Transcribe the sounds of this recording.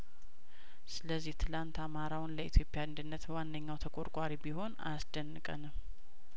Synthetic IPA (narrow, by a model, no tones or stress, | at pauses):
sɨləzːiht̪ʰɨlant̪amaɾawnləit̪ʰjo̞pʼːjand̪ɨnːət̪wanːəɲːawt̪ʰəkʼoɾkʷʼaɾibiho̞na̰sd̪̥ənːɨkʼə̰nɨm